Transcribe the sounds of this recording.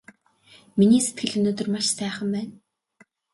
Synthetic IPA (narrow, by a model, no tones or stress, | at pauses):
miniːset̪̚ɡɘ̆ɮɵnoːt̪ɵ̆rmaʃsæːχə̆mpæːn